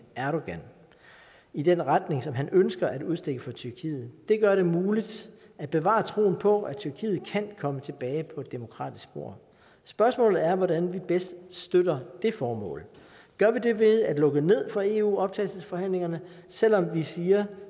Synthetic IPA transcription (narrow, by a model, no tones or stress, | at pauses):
æɐɾoɡ̥æn | id̥enʁad̥ne̝ŋsɒ̽mɦænʔønsɡ̥ɐʔæd̥uð̞ˠsd̥eɡ̥əfɒ̽t͡sʰyɐkʰḭːð̞̩ˠd̥e̝ɡ̥ɶɐɾ̥e̝muːlid̥ | æd̥̚b̥e̝ʋɑ̰̈ːt͡sʰʁo̝̰ːn̩pʰɒ̽æt͡sʰyɐkʰḭːð̩ˠkʰænkʰɒ̽mət͡sʰe̝b̥ɛːɪpʰɒ̽e̝d̥ːe̝mo̝kʰʁɑ̰̈ːd̥isɡ̥b̥o̝ɐ̰ | sb̥ɶɐsmɔ̰ːlð̩ˠæɐʋɒdænʋib̥esd̥sd̥øɾ̥ɐd̥e̝fɒːmɔ̰̽ːl | ɡ̥ɶɐʋide̝ʋe̝ðˠæd̥lɔ̽ɡ̥əne̝ð̞̰ˠfʁɑ̈e̝ːṵːɒ̽b̥̚t͡sʰɛ̰ːlsəsfɒ̽hæn̰le̝ŋɐnə | sel̰ɒ̽mʋisiːɐ